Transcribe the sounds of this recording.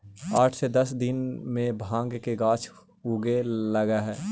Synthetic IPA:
aːʈʰsed̪ɐsd̪ɪnmẽbʱãːŋɡkeɡãːt͡ʃʰ | uɡeləɡaɦɛː

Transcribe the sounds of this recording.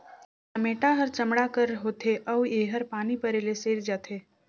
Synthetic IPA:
sɐmeːʈaɦɐɾt͡ʃɐmɽakəɾɦoːt̪ʰeʔɐʋeːɦəɾpaːnipɐɾeːleseːɾd͡ʒaːt̪ʰeː

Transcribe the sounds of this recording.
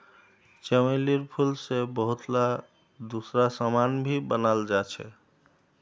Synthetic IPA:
t͡ʃəmeliɾpʰulsebəɦut̪la | d̪usɾasəmanbʱibənald͡ʒat͡ʃʰɛ̰

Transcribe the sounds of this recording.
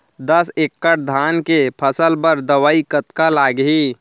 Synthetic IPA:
d̪əsekːəʈ̚d̪ʱankepʰəsəlbəɾd̪əwaːikət̪kalaɡɦi

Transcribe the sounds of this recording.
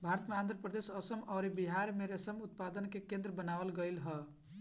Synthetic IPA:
bʱaɾət̪meand̪ɾəpɾəd̪esəsəmɔɾibiɦaɾmeɾesəmut̪̚pad̪ənkekẽnd̪ɾəbənaʋəlɡəjlɦə

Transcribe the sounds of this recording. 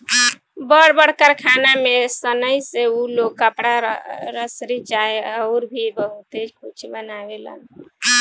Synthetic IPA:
bəɽbəɽkəɾkʰanamesənəjseuloɡkːəpɽaɾəsɾit͡ʃaeəʊɾbʱibəɦut̪ed͡ʒkʰut͡ʃʰbənawelə̰n

